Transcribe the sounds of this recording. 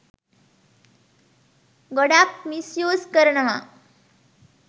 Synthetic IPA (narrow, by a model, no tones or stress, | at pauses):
ɡoɽak̚misjoːskəɾɳɐʋa̰